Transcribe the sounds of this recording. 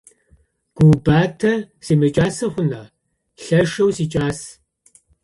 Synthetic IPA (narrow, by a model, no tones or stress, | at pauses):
ɡ̥ʷubaːtʰɐ | seːmɐt͡ʃʼaːsɐχʷʊnɐ | ɬɐʃɐwsiːt͡ʃʼaːs